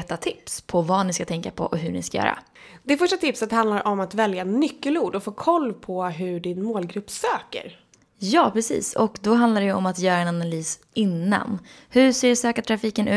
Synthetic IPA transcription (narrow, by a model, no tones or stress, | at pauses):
ɛt̪ːat̪ʰɪpspʰɔvanɪskat̪ʰɛŋkapʰɔ̰ʔɔɦɵɳɪ̰skajœ̰ːɾa̰ | d̪ɛfœʂʈat̪ʰɪpsət̪hand̪laɾʔɔmat̪vɛljanʏkːəluːɖɔfoːkʰɔlːpʰɔɦɵɖɪnmoːlɡɾɵpːsøːkə̰ɾ | jɑːpʰɾɛsḭːsɔkd̪ɔɦand̪laɖɛjɛɔmat̪jœːɾaɛnanalyːs | ɪnːa̰nhɵseːsøːkaʈʰɾafiːkənʔʉ̟